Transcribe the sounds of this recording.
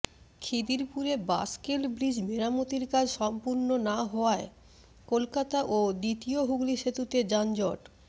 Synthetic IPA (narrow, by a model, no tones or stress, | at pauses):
kʰid̪iɾpuɾeba̰skelbɾid͡ʑmeɾamot̪iɾkad͡ʑʱʃɔmpuɾnonaɦɔoae | kolkat̪aʔod̪it̪ioɦuɡliʃet̪ut̪ed͡ʑand͡ʑɔʈ